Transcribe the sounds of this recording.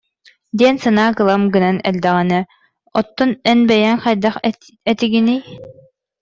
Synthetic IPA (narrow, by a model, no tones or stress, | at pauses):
d̪iɛnsɯnaːkɯlˠamɡɯnanɛ̰ld̪ɛʁɛnɛ | ɔt̪ːɔnɛnbɛjɛŋχajd̪ɑχ | ɛt̪iɡinij